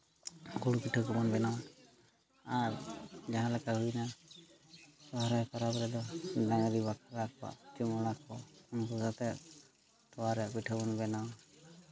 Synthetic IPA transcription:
kuɽupiʈʰɔkɔbɔnbɛnaw | aɾd͡ʒaɦãlakaɦujna | tɔɦaɾajkaɾabɾɛd̪ɔdaŋɾibakɾak̚ba̰ʔt͡ʃimɔɽakɔɔnkusat̪ɛ | t̪ɔwaɾɛpiʈʰɔbɔnbɛnaw

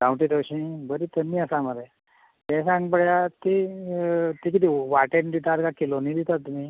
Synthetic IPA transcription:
kãw̃ʈid̪əwɕĩbəɾit̪ənːiəsaməd̪e | t̪ɛ̃sãŋɡbəɭjat̪i | t̪ikit̪iʋaʈend̪it̪aɾkakilonid̪it̪at̪ːumĩ

